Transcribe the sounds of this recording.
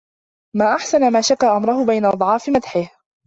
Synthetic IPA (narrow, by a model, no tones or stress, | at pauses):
maːʔaħsanamaːʃaqːaːʔamɾˤʊhʊbajnaʔɑd̪ˤʕɑːfɪmad̪ħɪh